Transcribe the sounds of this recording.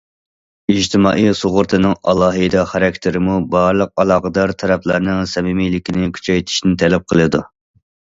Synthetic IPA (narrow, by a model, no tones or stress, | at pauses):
id͡ʒt̪ʰɪmɑːʔijsoʁʊɾt̪ʰɨnɨŋɑ̰lˠɑːɦɨjd̪ɑχæɾɛk̚ʲt̪ʰɪɾɪmubɑɾlˠəq̚ɑlˠɑːʁəd̪ɑɾt̪ʰɛɾɛplˠɨɾnɨŋsɛmimijlɪkʲinɪkʲʰy̥t͡ʃʰɛjt̪ʰɪ̥ʃinnɪt̪ʰɛlɛp̚qʰəlˠɨd̪u